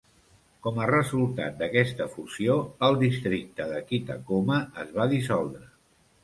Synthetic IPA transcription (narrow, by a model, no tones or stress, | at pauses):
kɔmərəzulˠt̪a̰t̪̚d̪əkɛst̪əfusioəlˠd̪ist̪ɾik̚t̪əðəkit̪ə̰koməəzβaðisɔlˠd̪ɾə